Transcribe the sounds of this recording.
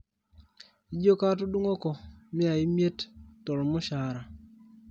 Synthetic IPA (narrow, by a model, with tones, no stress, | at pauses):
i˨˦d͡ʒo˦ka˦to˦du˦ŋo˦kɔ˨mɪ˦a˨ɪ˦mje˦ttɔ˨ɾɔ˨mɔ˦ʃa˨ɾa˨